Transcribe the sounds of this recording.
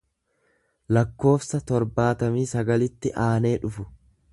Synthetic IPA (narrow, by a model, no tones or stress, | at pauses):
lɐkːo̞ːfsɐt̪ɔɾbaːt̪ɐmiːsɐɡɐlɪt̪ːɪʔaːne̞ːᶑʊfʊ̥